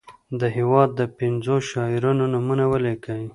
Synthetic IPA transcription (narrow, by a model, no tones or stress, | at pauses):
d̪əɦewɑd̪ːəpɪnzoʃɑɪɾunonʊmunawəlekawi